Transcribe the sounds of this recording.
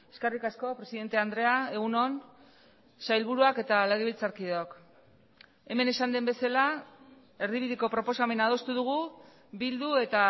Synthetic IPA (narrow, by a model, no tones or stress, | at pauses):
e̞skarikasko̞pɾe̞siðe̞nt̪e̞and̪ɾe̞ae̞ɣuno̞n | sajlβ̞uɾuake̞t̪aleɣ̞eβ̞ilt͡saɾkiðoak | e̞me̞ne̞sand̪e̞mbe̞sala | e̞ɾðiβiðiko̞pɾo̞po̞same̞nað̞o̞st̪uðuɣ̞u | bild̪ue̞t̪a